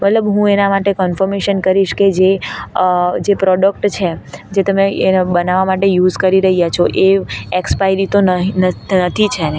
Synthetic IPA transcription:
mət̪ləbɦũenamaʈekɔnfəɾmeʃənkəɾiʃked͡ʒe | d͡ʒepɾɔɖək̚ʈt͡ʃʰed͡ʒet̪əmebənaʋamaʈejud͡ʒkəɾiɾəɦijat͡ʃʰoʔeekspajɾit̪onɦnənət̪ʰit͡ʃʰene

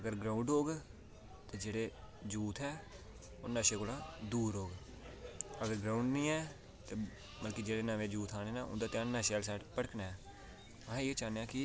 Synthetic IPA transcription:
əɡəɾɡɾãːʊ̃ɳɖɦoːɡ | t̪eːd͡ʒeːɽeː | d͡ʒuːt̪ʰɛː | onːaːʃeːkoːlãːd̪uːɾoːɡ | əɡəɾɡɾãːʊɳɖnĩːɛː | t̪eː | məlkiːd͡ʒeːɽeːnəʋẽːd͡ʒuːt̪ʰaːneːnaːʔʊ̰̃nd̪aːt̪ɪãːnːãːʃɛːlsɛːʈpəɽkʰnaːɛː | əɦːet͡ʃaːneãːkɪ

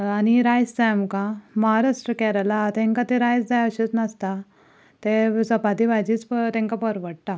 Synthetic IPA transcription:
aniɾajst͡samkãməɦaɾaʂʈɾəkɛɾalat̪ɛ̃ŋkat̪eɾajd͡zd͡zajəɕit͡snəst̪a | t̪esəpad̪iʋad͡ʑiːt͡spt̪ɛ̃ŋkapəɾʋəɽ̚ʈ̪a

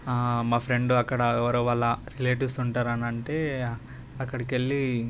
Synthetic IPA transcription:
maːpʰɾe̞ɳɖuɐkːɐɽɐɛʋɐɾoʋɐlːɐɾileːʈisuɳʈaːɾɐnɐɳʈeː | ɐkːɐɽɐkeɭːi

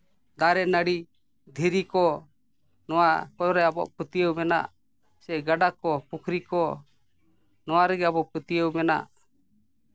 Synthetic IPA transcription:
d̪aɾɛnaɽi | d̪ʱiɾikɔ | nɔwakɔɾɛabɔ̰ʔput̪ijəwmɛna̰ʔ | sɛɡaɖakɔpukʰɾikɔ | nɔwaɾɛɡɛabɔʔput̪ijəwmɛna̰ʔ

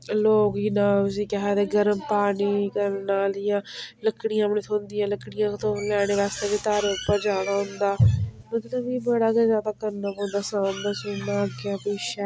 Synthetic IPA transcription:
loːkiːnaːʊs̬ĩːkɛɦɛːd̪eːɡəɾəmpaːniːkəɾnãːlɪjãːləkːɽɪjãːmneːt̪ʰõːnd̪ɪjãːləkɽɪjãːt̪õːlɛːɽ̃eːʋɛːst̪eːkit̪aːɾeʊpːəd͡ʒaːɽ̃aːɦʊnd̪aːmət̪ləbiːbəɽaːkɛzjaːd̪aːkəɾnaːbõːnd̪aːsãːmd̪asʊnaːkaːpeːʃɛː

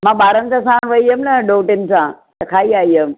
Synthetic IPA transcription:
mãːɓaːɾənsãsãːɽ̃ʋɐiɦəmnɐɖoːʈɪnɪ̆sãːt̪ɐkʰaːiaːiɦəm

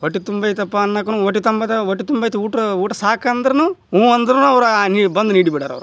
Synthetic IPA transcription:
ʋoʈːit̪umbɐjt̪ɐpːanːɐkɐnuʋoʈːit̪ɐmbɐt̪ɐʋoʈːit̪umbɐjt̪ɐuːʈɐuːʈːɐsaːkɐnd̪ɐɾɐnuũːɐnd̪ɐɾɐnuɐʋɾnibɐnd̪uniːɽibiɽaːɾɐ̰ʋɾu

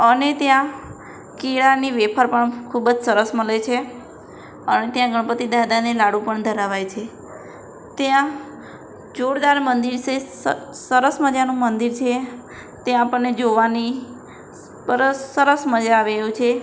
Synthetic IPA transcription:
ənet̪jã | kiɭaniʋepʰəɾpəɳkʰubd͡ʒsəɾəsməlet͡ʃʰe | ənet̪jãɡəɳ̃əpət̪id̪ad̪anelaɽũpəɳd̪ʱəɾaʋajt͡ʃʰe | t̪jã | d͡ʒoɽd̪aɾmənd̪iɾse | səɾəsməd͡ʒanũmənd̪iɾt͡ʃʰe | t̪eãapəɳnːed͡ʒoʋani | bəɾəsəɾəsməd͡ʒaːʋejũt͡ʃʰe

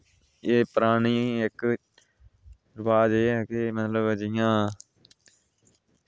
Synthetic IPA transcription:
eːpəɾaːɳiːɪk | ɾəʋaːd͡ʒeːɛːkeːmət̪ləbd͡ʒɪjãː

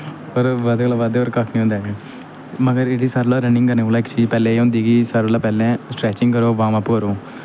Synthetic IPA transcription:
pəɾʋad̪eɡlaːʋaːd̪eːoɾkakʰnĩːʊnd̪ɛːɡe | məɡəɾeɽisəɾlaːɾənɪ̃ŋɡkəɾneːolãːɪkt͡ʃiːd͡ʒpɛːlẽːʊ̃nd̪iːɡiːsəɾlaːpɛːlẽːsʈɾɛːt͡ʃɪŋɡkəɾoːʋãːmapːkəɾoː

